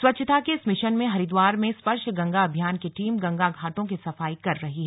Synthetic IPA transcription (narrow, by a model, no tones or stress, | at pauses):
swɐtːʃʰət̪ʰakeɪsmɪʃənmẽɦɐɾɪd̪waːɾmẽspɐɾʃɡɐ̃ŋɡaɐbʱjaːnkeʈiːmɡɐ̃ŋɡaɡʱaːʈõk̬isɐfaːikɐɾːɐɦiɦɛː